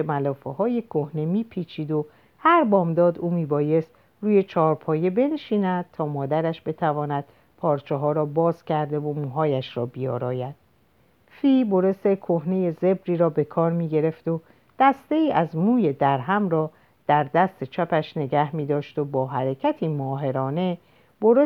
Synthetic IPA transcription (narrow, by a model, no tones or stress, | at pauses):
mælɒːfehɒːje̞kʰohne̞miːpʰiːt͡ʃʰiːd̪o̞ | hæɾbɒːmd̪ɒːd̪uːmiːbɒːje̞st̪ | ruːje̞t͡ʃʰɒːɾpʰɒːje̞be̞nʃiːnæd̪̥̚t̪ʰɒːmɒːd̪æɾæʃbe̞t̪ʰævɒːnæd̪̥ | pʰɒːɾt͡ʃʰeɦɒːɾɒːbɒːz̥cʰæɾd̪e̞vomuːɦɒːjæʃɾɒːbijɒːɾɒːjæd̪̥ | fiːbo̞ɾe̞st̪ekʰo̞hne̞je̞ze̞bɾiːɾɒːbe̞kʰɒːɾmiːɟe̞ɾe̞ft̪o̞ | d̪̥æst̪e̞iːʔæzmuːje̞d̪æɾɦæmɾɒː | d̪̥æɾd̪æst̪e̞t͡ʃʰæpæʃne̞ɡæhmiːd̪ɒːʃt̪o̞bɒːɦæɾecʰæt̪ʰiːmɒːɦe̞ɾɒːne̞ | boɾe